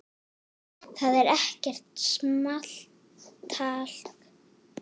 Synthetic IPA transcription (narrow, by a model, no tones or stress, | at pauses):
θaðɛɾɛhcɛr̥t̪smal̥ | t̪ʰːaːl̥k